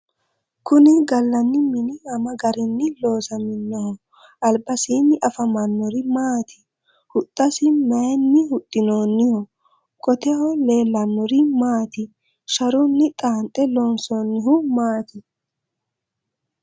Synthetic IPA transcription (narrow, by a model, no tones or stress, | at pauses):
kʊnɪɡɐlːɐnːɪmɪnɪɐmɐɡɐɾɪnːɪlo̞ːsɐmɪnːɔhɔ | ʔɐlbɐsiːnːɪʔɐfɐmɐnːɔɾɪmaːt̪ʰɪ̥ | hʊt̪ʼːɐsɪmɐjɛnːɪhʊt̪ʼːɪnoːnːɪhɔ | kʼɔt̪ɛhɔle̞ːlːɐnːɔɾɪmaːt̪ɪ | ʃɐɾʊnːɪt̪ʼaːnt̪ʼːɛloːnsonːɪɦʊmaːt̪ɪ